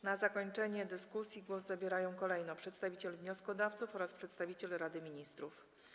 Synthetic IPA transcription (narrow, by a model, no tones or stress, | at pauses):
nazakɔɲt͡ʂɛɲɛd̪ɘskusʲjiɡwɔzzabʲjɛɾajɔ̃w̃kɔlɛjnɔpʂɛt̪st̪avʲit͡ɕɛlvɲɔskɔd̪aft̪sufɔɾaspʂɛt̪st̪avʲit͡ɕɛlɾad̪ɘmʲiɲist̪ɾuf